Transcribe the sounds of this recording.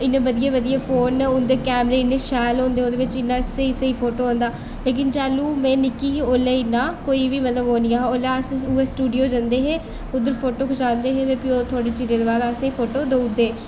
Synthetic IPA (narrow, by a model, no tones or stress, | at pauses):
ɪnẽːʋəd̪ijeːʋəd̪ijeːpʰoːnʊnd̪eːkɛːmɾeːɪnːẽːʃɛːlõːnd̪eːõːd̪eːʋɪt͡ʃɪnːãːɪseɪseiːpʰoːʈoːãːnd̪aː | leːk̬ɪnd͡ʒaːluːmɛ̃ːnɪkiːoːleːɪnaːkoːiːʋiːmət̪ləbɦoːnĩːaːɦoːlasuːeːsʈuːɖijoːd͡ʒãːnd̪eːɦɛː | ʊd̪əɾpʰoːʈoːkʰʊʃaːnd̪eːɦɛːʋepioːt̪ʰʊaːɽeːt͡ʃiːzeːd̪eːbaːd̪əsẽĩpʰoːʈoːd̪oud̪eː